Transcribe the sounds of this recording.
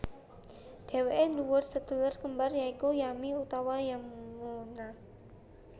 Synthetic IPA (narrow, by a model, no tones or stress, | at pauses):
d̥e̤weʔɛnuwʊrsət̪ələrkəmbarjaikujamiut̪awajamŋona